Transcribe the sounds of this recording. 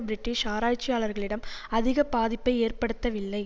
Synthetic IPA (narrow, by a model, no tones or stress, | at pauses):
bɪɾɪʈːɪʂaːɾaːt͡ʃːɪjaːɭɐɾɣɐɭɪɽɐmɐðɪɣɐpaːðɪpːɐɪeːrpɐɽɯt̪ːɐʋɪlːɐɪ